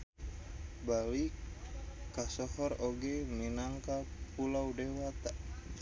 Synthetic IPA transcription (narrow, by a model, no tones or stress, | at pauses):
balikː | asɔhɔroɡɛminaŋkapulawdewat̪a